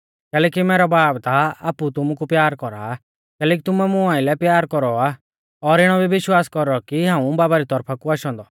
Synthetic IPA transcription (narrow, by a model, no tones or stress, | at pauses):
kɛːlɛːk̬imɛːɾɔbaːbt̪aaːput̪ʊmukupjaːɾkɔɾa̰ | kɛːlɛːk̬it̪ʊmɛmʊãːɪlɛpjaːɾkɔɾɔa | ɔɾɪɽ̃ɔbiʋɪʃwaːskɔɾɔkiɦãːũbaːbaɾit̪ɔɾpʰakuaːʃɔ̃ːnd̪ɔ